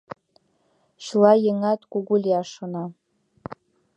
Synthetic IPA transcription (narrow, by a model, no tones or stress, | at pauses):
ʃlajɪŋatʼɡʷuɡʷʊlʲjaʂona